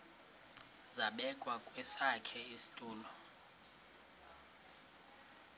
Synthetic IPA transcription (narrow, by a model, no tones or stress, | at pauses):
zaɓɛkʼwakʼwɛsakʰɛisi̥tʼuːlɔ